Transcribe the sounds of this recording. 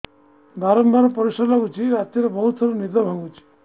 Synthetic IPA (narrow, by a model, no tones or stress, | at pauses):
bʱaɾɔmbaɾɔpɔɾisɔɾlaɡut͡ʃʰiɾat̪iɾebɔɦut̪sɔɾunid̪ɔbʱãŋɡut͡ʃʰi̥